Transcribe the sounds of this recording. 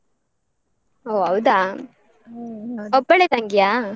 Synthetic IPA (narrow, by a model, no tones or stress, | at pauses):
oːɐwd̪aː | ɔpːɐɭet̪ɐŋɡja